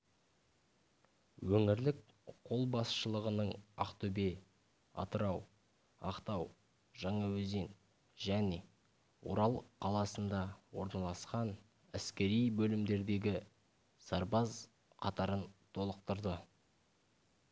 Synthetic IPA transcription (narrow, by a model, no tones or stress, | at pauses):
wɵŋɪɾlɪk | qʰo̞lˠbɑsʃəlˠəʁənəɴɑ̰qt̪ʰɵbe̞ | ɑ̰t̪əɾɑw | ɑqt̪ɑw | ʒɑɴɑwɵze̞n | ʒæne̞ | wo̰ɾɑlˠqʰɑlˠɑsənd̪ɑwo̞ɾnɑlˠɑsqɑn | æskʲe̞ɾijbɵlɪmd̪e̞ɾd̪e̞ɡʲɪ | sɑɾbɑz | qʰɑt̪ɑɾənt̪ʰo̞lˠəq̚t̪əɾd̪ə